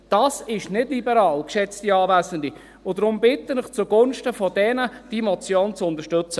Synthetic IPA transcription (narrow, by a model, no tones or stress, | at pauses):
d̥ɑːsɪʃnɪdlibəɾɑːlkʃɛt͡stiɑːvæːsəndi | ʊdɾʊmbɪt̪ːənɪχt͡sʊɡʊnʃtəfɔdɛnəd̥imɔt͡sjoːnt͡sʊnt̪əʃtɵt͡sə